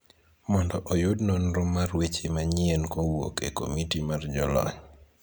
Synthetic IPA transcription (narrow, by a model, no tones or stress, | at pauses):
mɔndɔʔɔjʊdnɔnɾʊmːarwet͡ʃemaɲɪenkowo̰keko̰mitimard͡ʒɔlɔ̰ɲ